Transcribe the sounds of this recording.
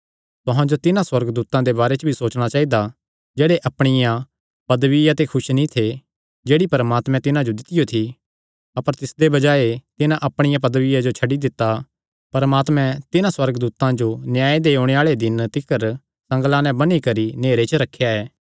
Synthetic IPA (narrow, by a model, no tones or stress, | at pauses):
t̪ʊɦãd͡ʒot̪ɪnãswɐɾɡd̪uːt̪ãd̪ebaːɾet͡ʃəbʱisoːt͡ʃɽ̃at͡ʃaːid̪a | d͡ʒeːɽeʔɐpɽ̃ɪjã | pɐd̪ʋɪjat̪ekʰʊʃnĩt̪ʰe | d͡ʒeːɽipɐɾmaːt̪mɛ̃t̪ɪnãd͡ʒod̪ɪt̪ɪjot̪ʰi | ɐpəɾt̪ɪsd̪ebɐd͡ʒaːet̪ɪnãʔɐpɽ̃ɪjãp̬ɐd̪ʋɪjad͡ʒot͡ʃʰɐɖid̪ɪt̪ːa | pɐɾəmaːt̪mɛ̃t̪ɪnãswɐɾɡd̪uːt̪ãd͡ʒonjaːed̪eːoːɽ̃eaːɭed̪ɪnt̪ɪkəɾ | sɐ̃ŋɡlãnɛ̃bɐnikɐɾineːɾet͡ʃəɾɐkʰːjaɛː